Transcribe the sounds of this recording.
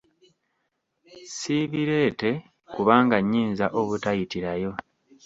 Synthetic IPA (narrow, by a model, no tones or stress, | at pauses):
siβiɾe̞ːte̞ | kuβaːŋɡaɲːiːnzaʔo̞βutajitiɾajo̞